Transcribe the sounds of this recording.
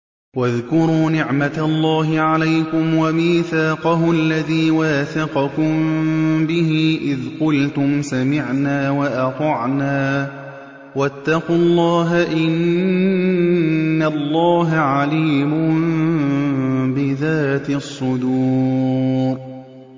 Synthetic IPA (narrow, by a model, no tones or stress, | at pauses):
waðkʊɾuːnɪʕmat̪aʔlˤːɑːɦɪʕalajkʊmwamiːθaːqɑɦʊʔalːaðiːwaːθɑqɑkʊmbɪɦiːʔɪðqʊlt̪ʊmsamɪʕnaːwaʔɑt̪ˤɑʕnaː | wat̪ːɑqʊlˤːɑːɦaʔɪn | alːɑːɦaʕaliːmʊm | bɪðaːt̪ɪsˤːʊd̪uː | ɾ